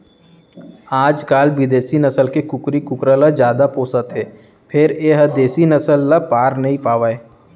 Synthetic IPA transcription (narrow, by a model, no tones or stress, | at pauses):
aːd͡ʒkaːlbɪd̪eːsinəsəlkekʊkɾikʊkɾalad͡ʒjaːd̪apoːsət̪ɦeː | pʰɪɾeɦəd̪eːsinɐsəlːapaːɾnɐɦĩpaːʋaːeː